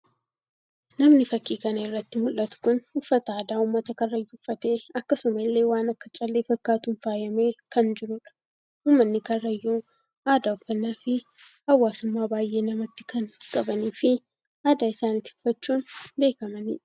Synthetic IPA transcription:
nɐmnɪfɐkːiːkɐnɐɪrːɐt̪ːɪmʊlːɐt̪ʊ̥kʊnhʊfːɐt̪ɐaːd̪aːʊmːɐt̪ɐkɐrːɐjːuʊfːɐt̪e̞ːɐkːɐsʊmɐlːe̞ːwaːnɐkːɐt͡ʃʼɐlːeːfɐkːaːt̪uːnfaːjɐmeːkɐnd͡ʒɪɾʊᶑɐ̥ | ʊːmːɐnːɪkɐrːɐjːuː | aːd̪aːʊfːɐnːaːfɪhɐwːaːsʊmːaːbaːjʔe̞ːnɐmɐt̪ːɪ̥kɐnkʼɐbɐniːfɪ | aːd̪aːɪsaːnɪt̪ːɪ̥ʊfːɐt͡ʃːuːnbe̞ːkɐmɐnḭːᶑɐ

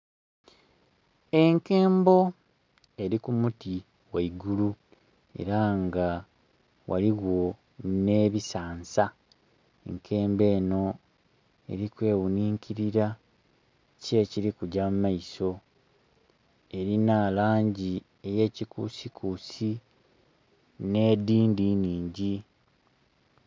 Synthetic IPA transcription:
e̞ŋke̞ːmbo̞ | e̞ɾikumuti | waiɡulu | e̞̰ɾaŋɡa | wʔa̰liwo̞ | ne̞βisaːnsa | ḛŋkʰe̞ːmbe̞ːno̞ | e̞̰ɾikwe̞ːwuniːŋcʰiɾiɾa | ce̞ciɾikuɟamumaiso̞ | e̞ɾinaːlaːɲɟi | e̞je̞ːcikṵsikʰuːsi | ne̞ːdiːndiɲiːɲɟi

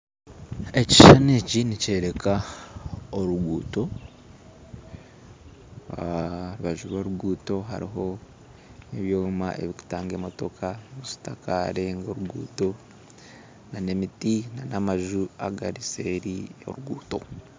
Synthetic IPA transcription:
e̞ci̥ʃanecinice̞ɾe̞ka | oɾuɡuːto̞ | ɾiβaʒuβoːɾuɡuːto̞ɦa̰ɾḭɦo̞ | neβjoːmaʔe̞̰βiku̥taːŋɡemo̞to̞kʰamusi̥takaɾe̞ŋɡoɾuɡṵːto̞ | nane̞mitinanamaʒua̰ɡa̰ɾise̞ːɾio̞̰ɾuɡuːto̞̰

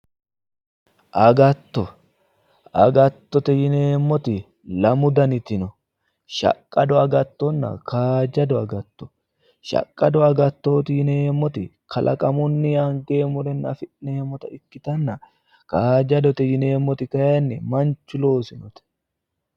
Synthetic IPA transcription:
ʔɐɡɐt̪ːɔ | ɐɡɐt̪ːɔt̪ɛjɪne̞ːmːɔt̪ɪ | lɐmʊd̪ɐnɪt̪ɪnɔ | ʃɐ̰kʼːɐd̪ɔɐɡɐt̪ːɔnːɐ̰kaːd͡ʒɐd̪ɔɐɡɐt̪ːɔ̥ | ʃɐ̰kʼːɐd̪ɔɐɡɐt̪ːo̞ːt̪ɪjɪne̞ːmːɔt̪ɪkʰɐlʔɐ̰kʼɐmʊnːɪjaːŋɡe̞ːmʊɾɛnɐ̰fɪʔneːmːɔt̪ɐɪkːɪt̪ɐnːɐ | kaːd͡ʒɐd̪ɔt̪ɛjɪne̞ːmːɔt̪ɪkɐjɐnːɛmɐnt͡ʃːʊlo̞ːsɪnɔt̪ɛ̥

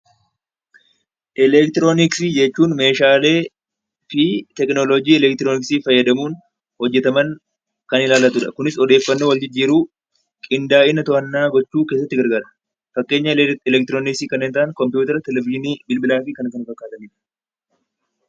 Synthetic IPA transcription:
ʔɛlɛk̚t̪ɪɾo̞ːnɪksiːd͡ʒɛt͡ʃːuːnme̞ːʃaːle̞ː | fɪt̪ɛknɔlɔd͡ʒiːɛlɛk̚t̪ɪɾonɪksiːfɐjːɐd̪ɐmuːn | hɔd͡ʒːɛt̪ɐmɐn | kɐnɪlaːlɐt̪ʊᶑɐkʊnɪsɔd̪e̞ːfːɐnːoːwɐld͡ʒɪd͡ʒːiːɾuː | kʼɪnd̪aːʔɪnːɐt̪ɔɐnːaːɡɔt͡ʃːuːke̞ːsːɐt̪ːɪɡɐɾɡaːɾɐ̥ | fɐkːe̞ːɲːɐlɛkt̪ɪɾoːnɪksiːkɐnːeːnt̪aʔnkɔmpjuːt̪ɐɾɐt̪ɛlɛvɪʒɪniːbɪlbɪlaːfɪkɐnkɐnfɐkːaːt̪ɐniːᶑɐ̥

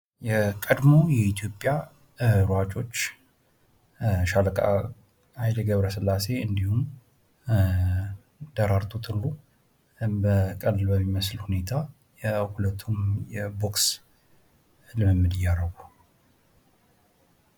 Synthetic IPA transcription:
jɛkʼəd̪mo̞jɛit̪ʰjo̞pʼja | ɾat͡ʃʼo̞t͡ʃː | ʃaləkʼa̰ | ajd̪əɡəβɾəsɨlːase̞ɨnd̪ihum | d̪̥əɾaɾt̪ʰʼut̪ʰɨnːu | bəkʼəlɨlbəmːiməslhune̞t̪ʰa | ɛhulət̪ʰːumjɛbo̞ks | lɨmɨmːɨd̪ɪjːaɾəɡu

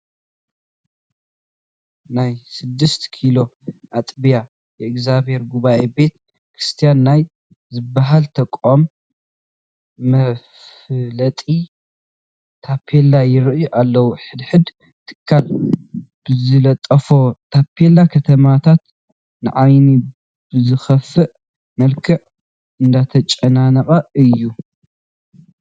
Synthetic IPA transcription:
najsɨd̪ːɨst̪ʰkʰilo̞ʔat̪ʼbija | jɛɨɡzabhe̞ɾɡuβaʔebe̞t̪ | kʰɾist̪ʰijanːaj | zɨbːaɦalt̪ʰɐkʼːom | ɐf | lɐt̪ʼi | t̪ʰapʰelajɪɾɨʔjuʔalːɐwuħɨd̪ħɨd̪ | t̪ʰɨ̥kʰːal | b̥ɨzɨlɐt̪ʼɐfo̞t̪ʰapʰːelakʰɐt̪ʰɐmat̪ʰat̪ | nɨʕajni | bɨzɨxɐfːɨʔ | mɐlkʰɨʕ | ɨnd̪at̪ʰɐt͡ʃʼɐnanɐχʼɐɨjːu

